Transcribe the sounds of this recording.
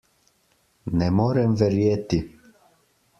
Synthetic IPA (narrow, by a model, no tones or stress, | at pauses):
nɛmɔɾɛmvɛɾjet̪i